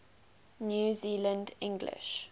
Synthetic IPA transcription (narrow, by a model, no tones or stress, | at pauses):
njuːziːlə̃ndɪ̃ŋɡlɪ̰ʃ